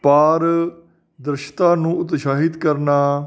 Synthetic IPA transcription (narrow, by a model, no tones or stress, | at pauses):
paːɾ | d̪ɾɪʃt̪ãːnũːʊt̪ʃaːɦɪt̪kəɾnaː